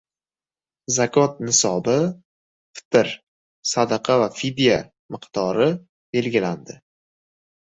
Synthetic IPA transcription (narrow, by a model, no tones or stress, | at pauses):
zakʰɒt̪̚nɪsɒbɪ | fɪ̥t̪ɪɾ | sad̪aqʰɑvafid̪ija | mɨqt̪ɒɾɪ | b̥e̞lɡʲɪland̪ɪ